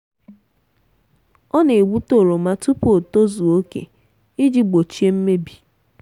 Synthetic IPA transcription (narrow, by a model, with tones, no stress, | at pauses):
ɔ˦ne˨ɡ͡bu˦to˨ɾo˨ma˦tu˦po˨to˦zu˨o˦kḛ˨ | i˦d͡ʒi˦ɡ͡bo˨t͡ʃi˦e˦m̩˦me˦bi̥˨